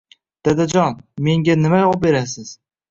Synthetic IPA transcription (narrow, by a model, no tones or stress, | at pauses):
d̪̥ad̪ad͡ʒɒnme̞ŋɡʲanɪmajɒʁbe̞ɾasɪz̥